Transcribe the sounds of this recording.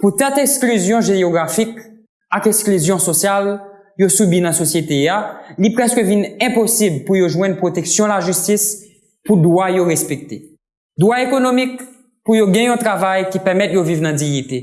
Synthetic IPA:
put̪ɛ̃t̪ɛksklyzjɔ̃ʒeoɡʁafik | akɛksklyzjɔ̃sosjal | josybinɐ̃sosjet̪ealipʁɛskəvinɛ̃posiblpujoʒwɛ̃d̪pʁot̪eksjɔ̃laʒystis | pud̪wajoʁɛspek̚t̪e | d̪waekonomik | pujoɡɛ̃jɔ̃t̪ʁavajkipɛʁmɛt̪jovivnɐ̃d͡zijit̪e

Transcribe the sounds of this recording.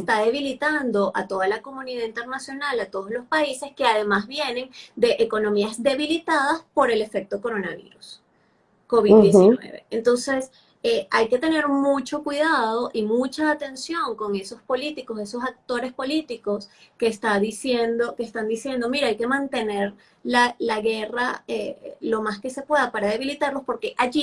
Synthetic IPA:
est̪aðe̞β̞ilit̪and̪o̞ʔat̪o̞ð̞alako̞mũniðaðint̪e̞ɾnasjo̞nalat̪o̞ð̞oslo̞spaise̞ske̞aðe̞mazβje̞ne̞ŋd̪e̞ʔeko̞no̞miazd̪e̞βilit̪aðaspo̞ɾe̞le̞fe̞k̚t̪oko̞ɾo̞naβḭɾus | ko̞βid̪d̪jesinwe̞̰βe̞̰ent̪o̞nse̞s | eajke̞t̪e̞ne̞ɾmut͡ʃo̞kwiðaðo̞ʔimut͡ʃaːt̪e̞nsjo̞ŋko̞ŋe̞so̞spo̞lit̪iko̞se̞so̞sak̚t̪o̞ɾe̞spo̞lit̪iko̞ske̞ːst̪aðisjend̪o̞keːst̪and̪isje̞nd̪o̞miɾaajke̞mãnt̪e̞ne̞ɾ | lalaɣe̞raelo̞maske̞se̞pwe̞ðapaɾaðe̞β̞ilit̪aɾlospo̞ɾke̞ʔaʝi

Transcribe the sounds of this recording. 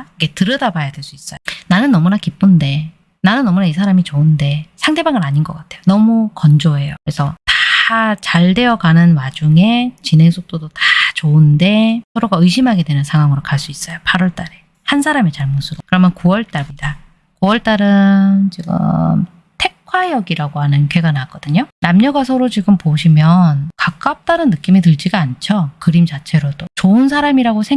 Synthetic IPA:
iɡe̞tɯɾʌdabajadwe̞ɭs͈uis͈ʌjonanɯnːʌmunakip͈unde̞ | nanɯnːʌmunaisʰaɾamit͡ɕounde̞sʰaŋde̞baŋɯɾaɲinɡʌk͈atʰe̞jonʌmukʌnd͡ʑoɦe̞jokɾe̞sʰʌtat͡ɕaɭde̞ʌɡanɯnwad͡ʑuŋe̞t͡ɕine̞ŋsʰok̚t͈odotat͡ɕounde̞sʰʌɾoɡaɯɕʰimɦaɡe̞dwe̞nɯnsʰaŋɦwaŋɯɾokaɭs͈uis͈ʌjopʰaɾʌɭt͈aɾe̞ | hansʰaɾame̞t͡ɕaɭmusʰuɾokɯɾʌmjʌnkuwʌɭt͈amida | kuwʌɭt͈aɾɯnt͡ɕiɡɯ̰m | tʰe̞kʰwajʌɡiɾaɡoɦanɯnkeɡanak͈ʌdɯɲonamɲʌɡasʰʌɾot͡ɕiɡɯmpoɕʰimjʌnkak͈̚ap̚t͈anɯnːɯk͈imitɯɭd͡ʑiɡaant͡ɕʰʌkɯɾimt͡ɕat͡ɕʰe̞ɾot͈ot͡ɕoɯnsʰaɾamiɾaɡosʰe

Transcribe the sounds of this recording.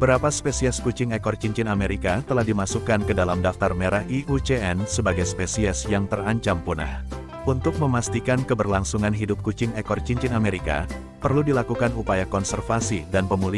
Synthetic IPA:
bəɾapaspesiɛskut͡ʃɪŋɛkɔrt͡ʃiɲt͡ʃɪnameɾikat̪əlahdimasukankədalamdaft̪armeɾahiut͡ʃeʔɛnsəbaɡajspesiɛsjaŋt̪əraɲt͡ʃampuna̰h | unt̪ʊk̚məmast̪ikankəbərlaŋsuŋanɦidʊp̚kut͡ʃɪŋɛkɔrt͡ʃiɲt͡ʃɪnameɾika̰ | pərludilakukanupajakɔnsərfasidanpəmuli

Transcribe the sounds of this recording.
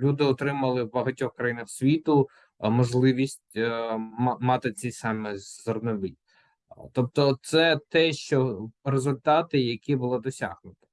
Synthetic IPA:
lʲud̪ɪɔt̪ɾɪmɐlˠɪwbɐɦɐtʲɔxkɾɐjinɐxsʲʋʲit̪ʊ | mɔʒlˠɪʋʲisʲtʲ | mɑt̪ɪt͡s̪ʲɛjsɑmɛzɔrnɔʋɪj | t̪ɔp̚t̪ɔt̪sɛt̪ɛʃt͡ʃɔrezʊlʲt̪ɑt̪ɪjɐkʲibʊlˠɔd̪ɔsʲa̰ɦnʊt̪ɔ̥

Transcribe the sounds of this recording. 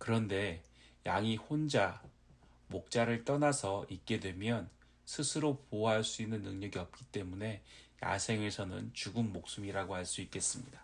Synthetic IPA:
kɯɾʌnde̞ | jaŋihond͡ʑa | mok̚t͡ɕ͈aɾɯɭt͈ʌnasʰʌik̚k͈e̞dwe̞mjʌn | sʰɯsʰɯɾopoɦaɭs͈uinːɯnːɯŋɲʌɡiʌp̚k͈it͈e̞mune̞ja̰sʰe̞ŋe̞sʰʌnɯ̰nt͡ɕuɡɯnmok̚s͈umiɾaɡohaɭs͈uik̚k͈e̞s͈ɯmɲida

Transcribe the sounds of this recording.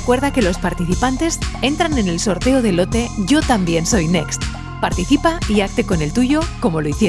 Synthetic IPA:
ekwe̞ɾðake̞lo̞spaɾt̪iθipant̪e̞se̞nt̪ɾane̞ne̞lso̞ɾt̪e̞oðe̞lo̞t̪e̞ʝo̞t̪ambje̞nso̞jne̞kst̪ | paɾt̪iθipaiak̚t̪e̞ko̞ne̞lt̪uʝo̞ko̞mo̞loiθje

